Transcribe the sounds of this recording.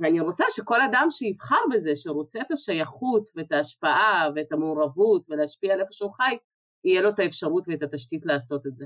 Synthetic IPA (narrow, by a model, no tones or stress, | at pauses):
veaniʁo̞t͡saʃe̞ko̞ladamʃeivχaʁbe̞ze̞ʃeʁo̞t͡seet̪aʃajaχutve̞etaːʃpaʔaveːtamuːʁavutve̞leaʃpiaːlefoʃeuχaj | ijelo̞tae̞fʃaʁutveet̪at̪aʃkitlaːso̞tetze